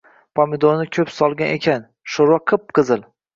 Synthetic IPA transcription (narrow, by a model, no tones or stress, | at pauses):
pʰɒmed̪onɪkʲʰɵpsɒlˠɡʲanʔekʲʰan | ʃoɾwaqʰɨp̚qʰɨzɪl